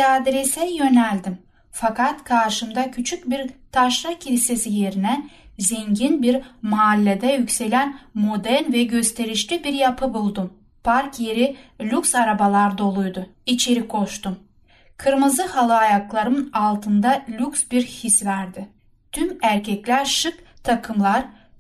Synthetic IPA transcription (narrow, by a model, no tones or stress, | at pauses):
ad̪ɾesɛjø̞nælʲd̪im | fakat̪kʰaɾʃɯmd̪acʰyt͡ʃʰyc̚biɾt̪ʰaʃɾacʰilʲise̞sije̞ɾinɛzeɲɟinbiɾmaːlʲːed̪ɛjycʲse̞lʲænmo̞d̪æɾnvɛɟø̞st̪ʰe̞ɾiʃlʲibiɾjapʰɯbulˠd̪um | pʰaɾkje̞ɾilʲuksaɾabalˠaɾd̪o̞lˠujd̪ʊ | it͡ʃʰe̞ɾikʰo̞ʃt̪um | kʰɯɾmɯzɯhalˠɯajaklˠaɾɯnalˠt̪ʰɯnd̪alʲuksbiɾhisvæɾd̪ɪ | t̪ʰymæɾcʰɛclʲæɾʃɯkt̪ʰakʰɯmlˠaɾ